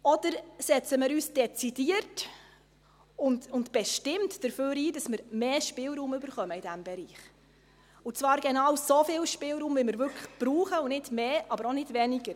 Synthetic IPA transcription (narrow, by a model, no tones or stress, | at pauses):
ɔdəɾsɛt͡səmɪːɾyːsd̥ɛt͡sid̥iəɾt | ʊntʊntb̥ɛʃtɪmtd̥əɾføːɾiːdɑsmɪɾmeːʃpɪːlɾuːmʉbəɾχœməid̥æmbɛɾiːχ | ʊt͡svɑːɾɡɛnɑwsofɪlʃpɪlɾuːmvɪmɪɾvʏɾkʰəχb̥ɾuːχəʊnɪdmeːʔɑbəɾonɪd̥vɛniɡəɾ